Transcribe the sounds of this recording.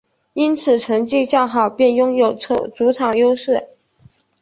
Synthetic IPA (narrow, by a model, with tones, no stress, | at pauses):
i˥nt͡sʰɹ̩˨˩ʈ͡ʂʰɤ˧˥ŋt͡ɕi˥˧t͡ɕjɑ˥˩ʊxɑ˨˩ʊpjɛ˥˩njʊ˥ŋjo˨˩ʊt͡sʰo˥˧˩t͡su˧˥ʈ͡ʂʰɑ˨˩ŋjo˥ʊʂɻ̩˥˩